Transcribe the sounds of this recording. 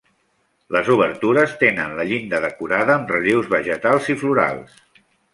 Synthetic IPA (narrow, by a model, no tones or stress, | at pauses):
ləzuβəɾt̪uɾəst̪enənləʎind̪əðəkuɾaðəːmrəliwzβəʒət̪alˠzifluɾa̰lˠs